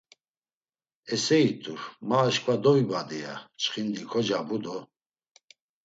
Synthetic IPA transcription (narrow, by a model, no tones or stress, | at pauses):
ɛsɛit̪ʰʼuɾmaːʃkʰʼvad̪ɔvibad̪ija̰t͡ʃχind̪ikʰɔd͡ʒabud̪ɔ